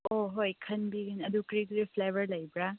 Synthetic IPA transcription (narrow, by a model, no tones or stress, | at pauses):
oɦojkʰɐnbiɡinɐdukɾikɾipʰlebɐɾlɐjbɾa